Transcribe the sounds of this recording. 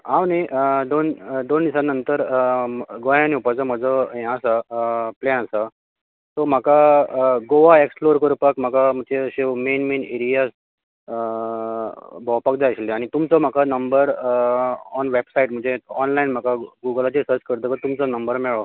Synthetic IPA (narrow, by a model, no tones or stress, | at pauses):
ãwned̪ond̪ondisanənt̪əɾ | ɡojãniupad͡zɔm̤əd͡zɔɦɛ̃asaplenəsa | t̪ɔm̤akaɡoʋaeksploɾkəɾupəkm̤akam̤ət͡ɕeəɕemenmeneɾijas | bʱɔwpakd͡zaəɕleaɽ̃it̪umt͡sɔm̤akanəmbəɾ | ɔnʋebsaiʈm̤əɳd͡zʱeɔnlainm̤akaɡuɡəlat͡ɕesəɾt͡ɕkəɾt̪əkət̪umt͡sɔnəmbəɾmeɭo